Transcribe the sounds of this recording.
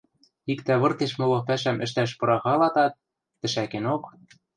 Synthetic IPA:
ikt̪æβɤ̆rt̪eʃmɤ̆lɤ̆pæʃæmɘ̆ʃt̪æʃpɤ̆ɾɑɣɑlɑt̪ɑt̪̚ː | ɘ̆ʃækenok

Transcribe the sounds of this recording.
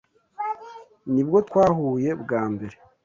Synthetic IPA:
nibɡo̞tkwaːhuːje̞bɡaːmbe̞ɾe

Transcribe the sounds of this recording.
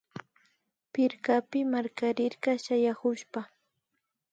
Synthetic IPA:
pɪɾkapɪmaɾkaɾɪɾɢɑʃajahʊʃpa

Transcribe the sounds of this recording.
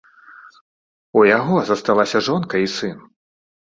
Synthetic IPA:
ujaɣɔzɐst̪alˠasʲɐʐɔnkɐisɨn

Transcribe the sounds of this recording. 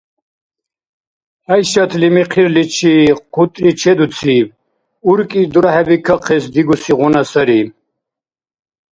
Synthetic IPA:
hajʃat̪ʰlimiqʰiɾlit͡ʃʰiqʰut̪ʼɾit͡ʃʰɛd̪ut͡sʰib | uɾkʼid̪uɾahɛbikʰaqʰɛsd̪iɡusiʁɔnasaɾi

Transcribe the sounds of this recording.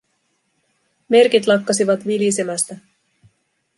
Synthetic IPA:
me̞rkit̪lɑkːɑsiʋɑt̪ʋilisemæst̪æ

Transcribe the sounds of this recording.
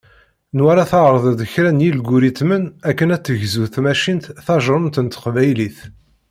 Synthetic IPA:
nwæɾaθɑɾˤðˤd̪əçɾænjilɡuɾit̪mənækːənæt͡sːəʝzuθmæʃint̪θɑʒɾˤəmt̪ənt̪qvæjliθ

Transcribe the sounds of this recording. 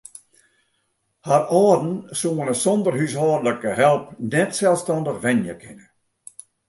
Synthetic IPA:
harɔːdn̩suənəsɔndərhyshɔːdələkəɦɛlˠp̚nɛtsɛlˠstɑndəχʋɛnjəkʰɪnə

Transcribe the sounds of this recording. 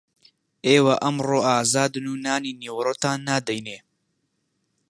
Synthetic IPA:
ʔeːwaʔɐmroːʔaːzaːd̪ɨnuːnaːniːniːwɾoːt̪aːnːaːd̪ɛjneː

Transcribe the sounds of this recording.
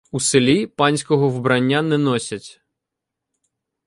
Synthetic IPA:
uselʲipɑnʲsʲkɔɦɔʋbɾɐnʲːanɛnɔsʲɐtʲ

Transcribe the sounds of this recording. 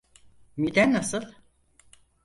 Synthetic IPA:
mid̪ænːasɯlˠ

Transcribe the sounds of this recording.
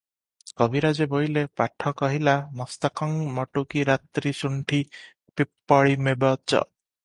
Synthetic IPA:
kɔbʱiɾad͡ʒebojlepaʈʰɔkɔɦilamɔst̪ɔkɔŋmɔʈukiɾat̪ɾisuɳʈʰi | pipːɔɭimebɔt͡ʃɔ̰

